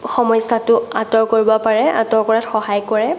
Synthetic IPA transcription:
xɔmɔjsatʊatɔɹkoɹibɔpaɹɛa̰tɔɹkɔɹatxɔɦajkɔɹɛ

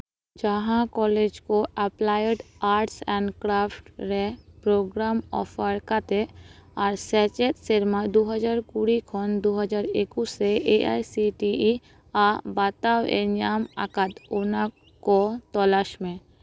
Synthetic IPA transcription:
d͡ʒəɦãkɔːled͡ʒkoɛplaːjeɖaːɾʈsɛ̃ːɳɖkɾaːpʰʈɾɛpɾoɡɾaːmɔ̰ːfʰəɾkat̪eaːɾsɛːt͡ʃet̪seɾmad̪oɦəd͡ʒaːɾkuɾikʰɔnd̪oɦəd͡ʒaːɾekuseʔeʔa̰ːjsiʈii | abaːt̪awḛnaːma̰kat̪onã | kot̪ɔːlaːʃmẽ

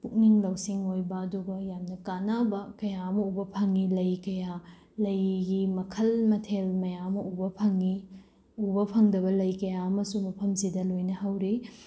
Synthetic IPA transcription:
puk̚niŋlɐwsiŋojbɐːduɡɐjamnɐkanɐbɐkɐjaɐmɐubɐpʰɐŋilɐjkɐja | lɐjɡimɐkʰɐlmɐtʰelmɐjamɐʔubɐpʰɐŋi | ubɐpʰɐŋdɐbɐlɐjkɐjaɐmɐsumɐpʰɐmsidɐlojnɐɦawɾi

